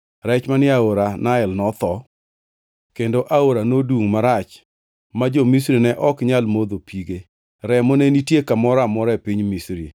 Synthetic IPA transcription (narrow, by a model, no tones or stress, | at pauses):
ɾɛt͡ʃmanɪaoɾanaɪlnɔt̪ɔ | kendoʔaoɾanodwuŋmaɾat͡ʃ | mad͡ʒomisɾinɛʔɔkɲalmod̪opʰiɡe | ɾɛmɔnenitjekamɔɾamɔɾaepiɲmisɾḭ